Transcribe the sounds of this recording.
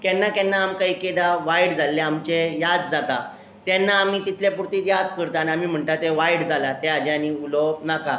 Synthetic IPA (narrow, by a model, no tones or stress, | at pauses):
kɛnːakɛnːaːmkaiːked̪aʋajɽd͡zalːeamt͡ɕejad̪d͡zat̪a | t̪jɛnːaːmiːt̪it̪ʰljapuɾt̪iːt̪jad̪kəɾt̪aaniamiːm̤əɳt̪at̪eʋajɽd͡zʱalat̪ead͡ʑaniulɔnaka